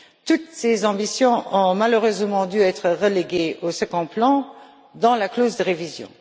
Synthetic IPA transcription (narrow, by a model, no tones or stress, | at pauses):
t̪ut̪sezɑ̃bisjɔ̃ɔ̃maløʁøzmɑ̃d̪yɛt̪χəʁəleɡeosəɡɑ̃plɑ̃ | d̪ɑ̃lakloːzd̪əʁevizjɔ̰̃